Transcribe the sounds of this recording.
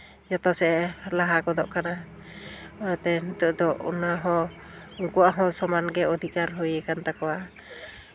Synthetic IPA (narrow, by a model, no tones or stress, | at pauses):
jɔt̪ɔsɛlaɦakɔd̪ɔʔkana | ɔjat̪ɛnit̪ɔʔd̪ɔʔṵnaɦɔ̃ | uŋkuaʔɦɔ̃sɔmanɡɛɔd̪ʱikaɾɦɔjɛkant̪akɔwa